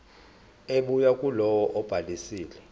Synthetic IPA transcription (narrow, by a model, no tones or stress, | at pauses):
eɓujakʼulɔwɔʔɔb̥ʱalisiːlɛ